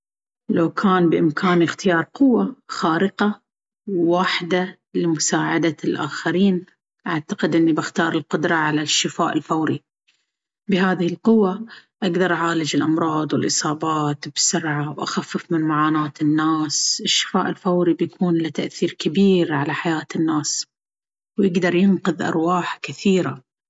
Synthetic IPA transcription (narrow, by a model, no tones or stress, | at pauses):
lawkʰaːnbɪʔɪmkʰaːnɪxt̪ɪjɑːɾˤqʊwːaxaːɾɪqa | wːaːħɪd̪a | lɪmʊsaːʕad̪alʔa̰ːxaɾiːn | ʔaʕt̪ḁqɪd̪ʔɪnːibɪxt̪ɑːɾˤɪlqʊd̪ɾˤɑʕalaʃːɪfa̰ːʔɪlfawɾi | bɪɦaːðɪhɪlqʊwːaʔaɡd̪ɑɾˤʔaʕaːlɪd͡ʒɪlʔɑmɾˤɑːd̪ˤwɪlʔɨsˤɑːbɑːt̪b̥sʊɾʕawʔaxafːɪfmɪnmaʕaːnaːt̪ɪnːaːsʔɪʃːɪ̥faːʔɪlfawɾibjakʰuːnlɪt̪aʔθiːɾkabiːɾʕalaħajaːt̪ɪnːaːs | wjɪɡd̪ɑɾˤjɪnqʊðʔɑ̰ɾˤwaːħkɪθiːɾa